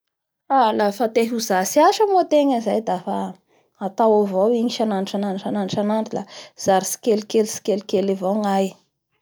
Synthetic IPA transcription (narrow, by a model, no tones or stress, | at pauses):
alafat̪eɦuzasiaʃəmot̪eŋəzajd̪afa | at̪awavowiɲiʃananiʈ͡ʂananʈ͡ʂananʈ͡ʂanant̪ilaz̥aɾisi̥kelikelisi̥kelikelivoŋaj